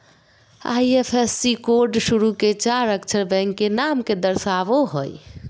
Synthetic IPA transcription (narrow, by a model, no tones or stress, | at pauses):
a̰jepʰesːikoɾɖsuɾuket͡ʃaɾəkt͡ʃʰəɾbɛ̃ŋkːenamked̪əɾsaboɦoj